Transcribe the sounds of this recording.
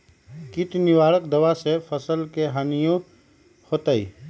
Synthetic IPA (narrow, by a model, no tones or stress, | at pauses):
kɪʈ̪nɪwaːɽəkd̪əwasepʰəsəlkeɦanijõ | hoːt̪aḭ